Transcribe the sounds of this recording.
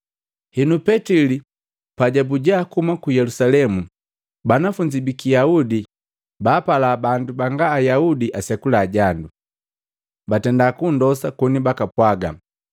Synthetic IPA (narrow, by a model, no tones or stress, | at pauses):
hinupɛtili | paɟabuɟaːkumakujɛlusalɛmu | banafuɲd͡ʒibikijaudi | baːpalaːbandubaŋɡaːjaudiʔasɛkulaːɟandu | batɛndakundɔsakɔnibakapwaɡa